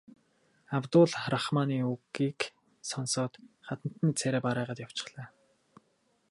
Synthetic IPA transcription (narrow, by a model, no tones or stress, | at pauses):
awt̪ʊːɮɾaχmaːniːuɣiːk | sɔnsɔːt̪χat̪ə̆n̥t̪ə̆nt͡sʰæɾæːpaɾæːʁaːt̪jaw̥t͡ɕɪ̆χɮæː